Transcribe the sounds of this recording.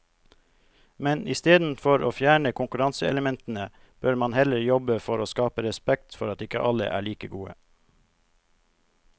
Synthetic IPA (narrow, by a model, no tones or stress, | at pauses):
mɛnɪst̪eːd̪n̩fɔɾoːfjæːɳəkʰʊŋkʉɾɑnsəɛ̰ləmɛnt̪n̩ə | b̥øːɾmɑnhɛləɾjɔbəfɔɾoːskɑːpəɾɛspɛkt̪fɔɾɑt̪ɪkə̰ʔɑlə̰ʔæ̰ːɭiːkəɡuːə̰